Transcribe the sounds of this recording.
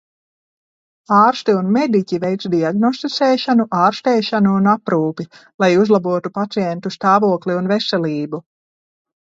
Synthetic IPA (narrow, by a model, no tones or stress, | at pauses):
aːɾst̪iunmɛd̪icʲivɛjt̪sd̪iaɡnɔst̪it̪sɛːʃanuʔaːɾst̪ɛːʃanuːnapɾuːpilˠajuzlˠabuɔt̪upat̪siɛnt̪ust̪aːvuɔkliunvɛsɛliːbu